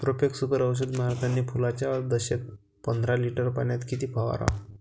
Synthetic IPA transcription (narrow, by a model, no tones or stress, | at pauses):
t̪ɾopeksukəɾəʋɕ̬ud̪maɾt̪ʰanːiːpulat͡ɕaəɾd̪əɕek̚ | pənd̪ʱɾaliʈəɾpaɳjat̪kit̪iːpʰaʋa̰ɾa̰